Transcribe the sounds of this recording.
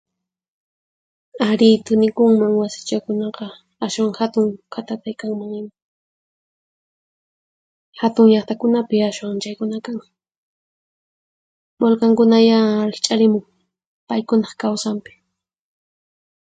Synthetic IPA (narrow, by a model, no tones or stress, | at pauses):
aɾɪt̪ʊnɪkʊŋmaŋwasɪ̥t͡ʃakʊnɑqɑ | aʃwaŋhat̪ʊŋkʰat̪at̪ajkaŋmaŋɪma | hat̪ʊŋʎɑχt̪akʊnapɪaʃwaŋt͡ʃajkʊnakaŋ | bolkaŋkʊnajaɾɪχt͡ʃʼaɾɪmʊŋ | pajkʊnɑχkawsampɪ̥